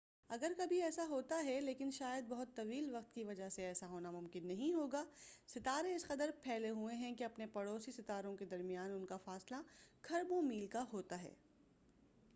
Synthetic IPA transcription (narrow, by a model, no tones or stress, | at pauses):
ɐɡəɾkɐbʱiɛːsaɦoːt̪aɦɛleːkɪnʃaːjəd̪̚bɐɦʊt̪ːɐʋiːlʋɐqt̪kiʋɐd͡ʒaɦseɛːsaɦoːnamʊ̃mkɪnːɐɦĩɦoːɡaːsɪt̪aːɾẽɪsqɐt̪əɾpʰɛːleɦuẽɦɛ̃keɐpnepɐɽoːsisɪt̪aːɾõked̪ɐɾmijaːnʊnkafaːslakʰɐɾbõmiːlkaɦoːt̪aɦɛ̰ː